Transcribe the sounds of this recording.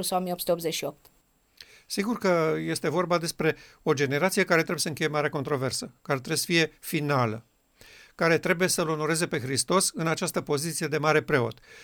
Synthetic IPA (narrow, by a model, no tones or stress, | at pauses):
saomieopsut̪eopzet͡ʃʃiop̚t̪ | siɡurkəje̞st̪e̞vo̞rbad̪e̞spɾe̞ | o̞d͡ʒe̞ne̞ɾat̪sie̞kaɾe̞t̪ɾeujesəɨŋke̞jemaɾeako̞nt̪ɾo̞ve̞rsəkaɾet̪ɾeesə̥fije̞finalə | kaɾe̞t̪ɾe̞buje̞səlo̞no̞ɾe̞ze̞pe̞xɾist̪o̞sɨnat͡ʃast̪əpo̞zit̪sije̞d̪e̞maɾe̞pɾe̞o̞̰t̪